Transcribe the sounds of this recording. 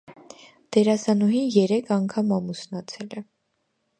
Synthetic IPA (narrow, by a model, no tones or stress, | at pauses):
d̪̥ɛɾɑsɑnuɦinjɛɾɛkʰɑŋkʰɑmɑmusnɑt͡sʰɛlɛ